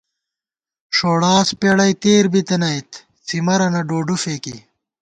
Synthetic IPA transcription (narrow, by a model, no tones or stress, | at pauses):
ʂoːɽaːspeɽɐjt̪eːɾbit̪enɐjt̪ | t͡simɐɾɐnɐɖoːɖufeːki